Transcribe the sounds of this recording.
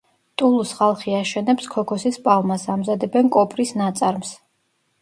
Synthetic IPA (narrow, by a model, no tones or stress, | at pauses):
t̪ʼulˠusχalˠχiaʃɛnɛpskʰɔkʰɔsispʼalˠmasamzad̪ɛbɛnkʼɔpʼɾisnat̪sʼaɾms